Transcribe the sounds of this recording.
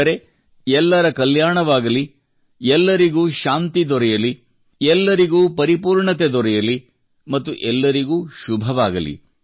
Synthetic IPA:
ɾe̞ | ɛlːɐɾɐkɐljaːɳɐʋaːɡɐli | ɛlːɐɾiɡuːʃaːnt̪id̪ɔɾɛjɐli | ɛlːɐɾiɡuːpɐɾipuːɾɳɐt̪ed̪ɔɾɛjɐli | mɐt̪ːuʔɛlːɐɾiɡuːʃubʱɐʋaːɡɐlḭ

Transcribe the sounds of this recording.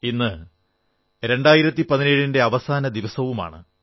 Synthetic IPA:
inːɨ | ɾe̞ɳɖaːjiɾɐt̪ːipɐðineːɻinde̞ɐʋɐsaːnɐd̪iʋɐsɐʋuma̰ːɳɨ̰

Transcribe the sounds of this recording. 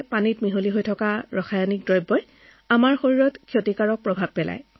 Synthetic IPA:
panitmiɦoliɦojtʰɔkaɹɔxajɔnik̚dɹɔjbːɔj | amaɹxoɹiɹɔtkʰjotikaɹɔk̚pɹɔbʱab̚pɛla̰j

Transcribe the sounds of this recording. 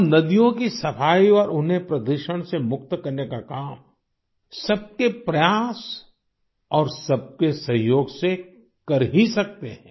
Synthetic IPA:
mnɐd̪ijõkisɐfʰaːiɔːɾʊnɦepɾɐd̪uɾʃəɽ̃semʊk̚t̪kɐɾnekakaːm | sɐb̚kepɾɐjaːs | ɔːɾsɐb̚kesɐ̃ɦjoːɡse | kɐɾɦisɐk̚t̪eɦɛ̃ː

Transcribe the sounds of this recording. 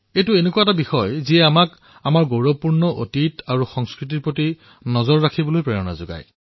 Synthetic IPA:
ejtuenekuwatabixɔjziɛamak | amaɹɡowɹɔpuɹnɔʔo̰titaɹuxɔŋskɹit̬iɹpɹoti | nɔzɔɹːakʰibɔlojpɹɛɔna̰zo̰ɡa̰j

